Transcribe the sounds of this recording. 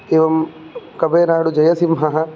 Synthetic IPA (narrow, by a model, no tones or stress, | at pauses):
eːʋɐm | kɐbʱɐːnaːɽud͡ʒɐjɐsimɦɐɦɐ